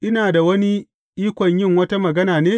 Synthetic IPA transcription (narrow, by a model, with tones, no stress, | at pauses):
ʔɪ˦naː˨da˨wɐ˦ni˦ | ʔiː˦kʷɐ˨ɲjɪ˦˨ŋwɐ˦ta˦mɐ˨ɡɐ˦naː˨neː˦